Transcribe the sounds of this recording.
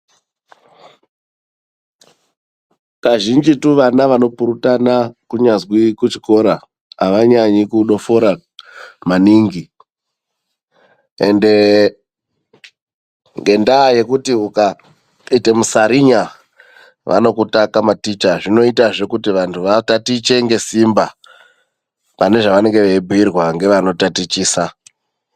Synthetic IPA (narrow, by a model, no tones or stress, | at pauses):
kaʒind͡ʒituʋanaʋano̞puɾutanakuɲazwikut͡ʃi̥ko̞ɾa | ɦaʋaɲaɲikuɗo̞fo̞ɾa | maniŋɡi | ḛnde̞ | ŋɡe̞ndaːje̞kutiuka | ite̞musaɾiɲa | ʋʔa̰no̞kutakamatit͡ʃaʐino̞itaʐe̞kutiʋantʰuʋatatit͡ʃe̞ŋɡe̞simba | pane̞ʐaʋane̞ŋɡe̞ʋeibʱuirwaŋɡe̞ʋano̞tatit͡ʃiːsa